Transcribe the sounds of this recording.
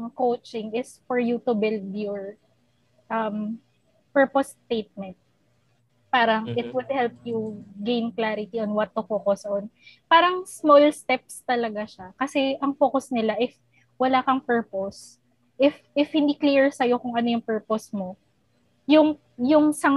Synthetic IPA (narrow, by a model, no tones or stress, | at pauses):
ŋkowt͡ʃɪŋɪsfɔɹjut̪ʊbɪld̪jɔɹ | ʔɐm | pɛɹpost̪ejt̪̚mɛnt̪̚ | paːɾɐŋʔɪt̪̚wʊd̪̚hɛlp̚juɡejnklaɾɪt̪iɔnwɐt̪ːʊfoːkosɐʔonpaːɾɐŋsmolst̪ɛp̚st̪ɐlɐɡaʃakɐsɛʔɐŋfoːkosnɪlaʔɪf | wɐlaːkɐŋpɛɹpos | ʔɪfʔɪfhɪnd̪ikliɹsɐjo̞kʊŋʔɐno̞jʊŋpɛɹposmo | jʊŋ | jʊŋsɐŋ